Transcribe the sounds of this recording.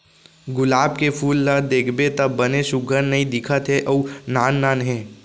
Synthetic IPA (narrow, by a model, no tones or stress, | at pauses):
ɡʊlaːbkepʰuːlːad̪eːkʰbet̪ɐbːɐneʃʊɡʱəɾnɐɦĩd̪ɪkʰət̪ɦɛʔɔːnaːnːaːnɦɛ̃ː